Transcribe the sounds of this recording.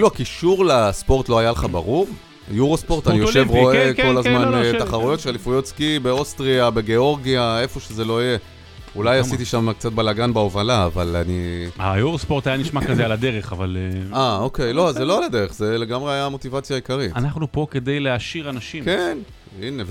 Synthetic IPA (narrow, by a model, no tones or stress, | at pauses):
iluakiʃuʁlaspo̞ʁt̪loajaleχabaʁuʁ | juʁospo̞ʁt̪anijoʃevʁo̞eko̞lazmant̪aχaʁujo̞t̪ʃealifujo̞t̪skibe̞ost̪ʁiabe̞ɡe̞o̞ʁɡiae̞fo̞ʃezelo̞ije̞ | ulajasit̪iʃamkt͡sat̪̚balaɡanbeovalaːvalaniajuʁospo̞ʁt̪ajaniʃmakazealadeʁeχavalao̞ke̞jlo̞azeloalad̪e̞ʁeχze̞le̞ɡamʁeajamo̞t̪ivat͡sjaikaʁitanaχnupo̞ke̞d̪ejleaʃiʁanaʃimken | inev